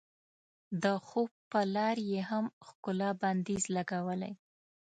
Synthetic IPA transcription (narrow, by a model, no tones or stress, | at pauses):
d̪əxob̚pəlɑɾjeɦamxkʊlɑband̪izlaɡawəla̰j